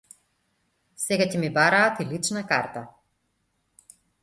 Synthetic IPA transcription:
sɛɡacɛmibaɾaːt̪ilit͡ʃnakaɾt̪a

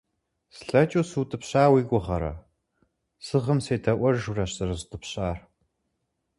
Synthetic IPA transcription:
sɬɐt͡ʃʼuːsuːtʼɨpɕaːwiːɡʷʊʁɐɾɐ̰ | sɨʁəmseːtʰɐʔʷɐrʒurɐɕɐrɨzɨtʼɨpɕaːr

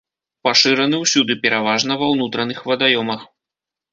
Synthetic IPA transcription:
paʂɨɾɐnɨwsʲud̪ɨpʲɛɾʔavaʐnɐvɐwnut̪ɾɐnɨxvɐd̪ajɔmɐx

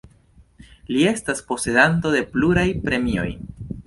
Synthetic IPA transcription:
lie̞staspo̞se̞d̪anto̞de̞pluɾajpɾe̞mio̞̰j

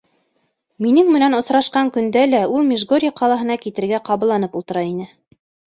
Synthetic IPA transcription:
minɘŋmɘ̆nænŏsɾɑʃqɑŋkɵ̆nd̪ælæulˠmʲiʒɡoɾʲijaqɑlˠɑɦɤ̆nɑkit̪ɘ̆ɾɡæqɑβɤ̆lˠːɑnɤpulˠt̪ɤ̆ɾɑinɘ

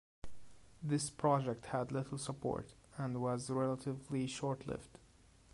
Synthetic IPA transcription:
ðɪspʰɹ̥ɑd͡ʒɛk̚thædlɪtl̩ˠsəpʰɔ̰ɹtæ̃ndwʌzɹɛlˠətʰɪvliʃɔɹtʰlɪ̰ft

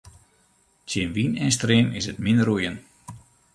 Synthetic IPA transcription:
tʰjɪənʋinɛnstremɪsətmɪndərujən

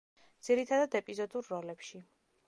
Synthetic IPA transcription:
d̪z̥iɾit̪ʰad̪ad̪ɛpʼizɔd̪uɾːɔlɛpʃi

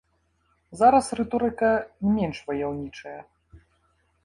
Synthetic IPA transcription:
zaɾɐsrɛt̪ɔɾɨkɐnʲmʲɛnʂvɐjawnʲit͡ʂɐjɐ

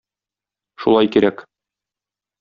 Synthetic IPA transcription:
ʃulˠɑjkiɾæk

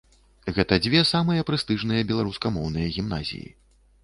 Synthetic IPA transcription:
ɣɛt̪ɐd͡zʲvʲɛsamɨjɐpɾɨst̪ɨʐnɨjɐbʲɛlˠaɾuskɐmɔwn̪ɨjɐɣʲimna̰zʲḭjḭ

